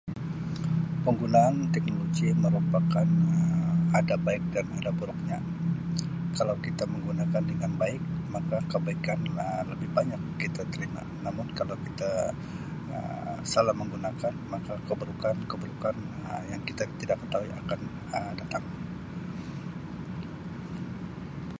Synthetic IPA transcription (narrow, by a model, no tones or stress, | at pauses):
pəŋɡunaːnt̪ɛk̚noloɡiməɾupakanəadabaɪk̚danadabuɾʊk̚ɲa | kalawkit̪aməŋɡunakandəŋanbaɪk̚makakəbaikanələbɪhbaɲakːit̪at̪əɾima̰namʊnkalawkit̪a | ə̰salahməŋɡunakanmakakəbəɾukankəbəɾukanəjaŋkit̪at̪idakːət̪aɦuiʔa̰kan | əmdat̪aŋ